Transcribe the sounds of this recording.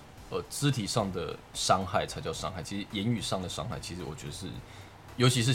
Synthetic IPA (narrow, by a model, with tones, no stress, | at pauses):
ə˧˩t͡sɹ̩˥t̪ʰi˨˩ʂɑ˥˩ŋd̪ə̰˩ʂɑ˥ŋxa˥˩ɪʈ͡ʂʰa˥ɪt͡ɕjɑ˥˧ʊʂɑ̰˥ŋxa˥˩ɪt͡ɕʰi˧˥ʂɻ̩˧˦jɛ˧˥ny˨˩ʂɑ˥˩ŋd̪ə˩ʂɑ̰˥ŋxa˥˩ɪt͡ɕʰi˧˥ʂɻ̩˧˥wɔ˨˩t͡ɕɥɛ˧˥d̪ə˧ʂɻ̩˥˩ | jo˧˥t͡ɕʰi˧˥ʂ̬̩˥˩